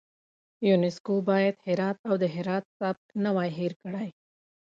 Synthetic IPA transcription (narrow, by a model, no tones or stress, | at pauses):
junɪskobɑjad̪hɪɾɑt̪awd̪əɦɪɾɑt̪̚sab̚t̪nawɑjɦiɾkɽaj